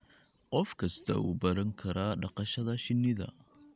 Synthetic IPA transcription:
qɔfkʰɐst̪ʰɐ̰uːbɐɾɐŋkʰɐɾaːɖɑqɑʃɐðɐʃɪnːɪðɐ̰

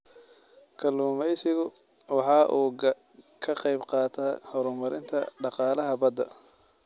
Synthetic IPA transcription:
kʰɐluːmɛjsɪɣʊ | wɑħɑːʔuː | kʰɐqɑjbqɑːt̪ʰahɔɾʊmɐɾɪnt̪ʰɐɖɑqɑːlɐɦɐbɐd̪ɐ

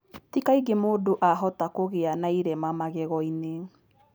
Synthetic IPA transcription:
tikaiɡemoːdoʔaɦɔtakoɣeanaiɾɛmamaɣɛɣɔine

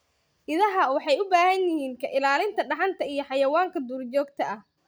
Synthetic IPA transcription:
ʔɪðɐɦɐwɑħɑjʊbaːhɐnjɪhiːŋkʰɐʔɪlaːlɪnt̪ʰɐɖɑħɑnt̪ʰɐijɞħɑjɐwaːŋkʰɐd̪uːrt͡ʃɔːɡt̪ʰɐɐh

